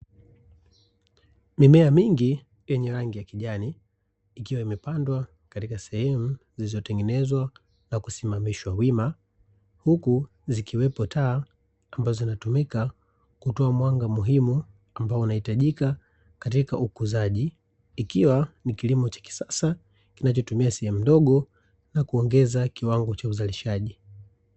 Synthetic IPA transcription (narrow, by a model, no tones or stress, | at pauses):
mimɛamiŋɡi | jɛɲɛɾaŋɡijakiʄaniː | kiwaimɛpandwa | katikasɛhɛmuzilizɔtɛŋɡɛnɛzwa | nakusimamiʃwawima | huku | zikʰiwɛpɔtʰaː | mbazɔzinatumika | kutɔamwaŋɡamuɦimu | ambaɔunahitaʄika | katikaʔukuzaʄiː | kiwanikilimɔt͡ʃḁki̥sasa | kinat͡ʃɔtumiasɛhɛmudɔɠɔ | nakuɔŋɡɛzakiwaŋɡɔt͡ʃauzaliʃaʄi